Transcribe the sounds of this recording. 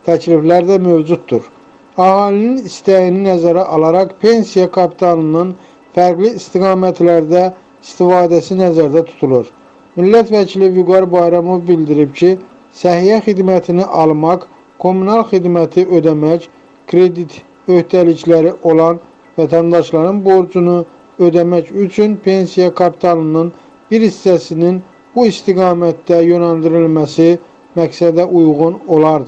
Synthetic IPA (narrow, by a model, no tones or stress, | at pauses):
t̪ʰæcʰliflæɾd̪æmøvd͡ʒut̪̚d̪uɾ | ɑhɑːlininist̪æjininæzæɾæʔɑlˠɑɾɑqpʰe̞nsijɑkʰɑpʰi̥t̪ʰɑnɯnɯn | fæɾɡliːst̪iɡɑːmæt̪læɾd̪æ | ist̪ifɑːd̪æsinæzæɾd̪æt̪ʰu̥t̪ʰulˠuɾ | milːæt̪væcʰilivyɡɑɾbɑjɾɑmo̞vbild̪iɾipcʰi | sæɦijæxid̪mæt̪ʰiniʔɑlˠmɑk | kʰo̞mːunɑlˠxid̪mæt̪ʰiø̞d̪æmæc | kʰɾed̪it̪ | ø̞ht̪æliclæɾiʔo̞lˠɑn | væt̪ʰænd̪ɑʃlˠɑɾɯnbo̞ɾd͡ʒunu | ød̪æmæcyt͡ʃʰynpʰe̞nsijɑkʰɑpʰi̥t̪ʰɑlˠɯnɯn | biɾhisːæsinin | b̥uist̪iɡɑːmæt̪d̪æjønæld̪iɾilmæsi | mæksæd̪æʔujɣuno̞lˠɑɾd̪ɯ